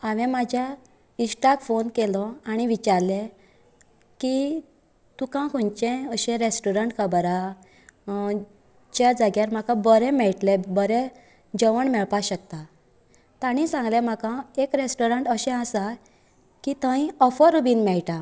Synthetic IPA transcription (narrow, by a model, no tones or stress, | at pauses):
aʋɛ̃mad͡ʑʱja | isʈakfonkelɔaɽ̃iʋit͡ɕaɾle | ki | t̪ũkãkʰunt͡ɕẽəɕɛ̃ɾesʈoɾəɳʈkʰəbɾa | d͡ʑjad͡zaɡjaɾm̤akãbəɾɛ̃mɛɭʈlebəɾɛ̃ | d͡ʑəʋəɳmɛɭpaɕək̚t̪a | t̪aɽ̃ĩsãŋɡlɛ̃m̤akãekɾesʈoɾəɳʈəɕɛ̃asa | kit̪ə̃ĩɔfəɾubiːnmɛɭʈa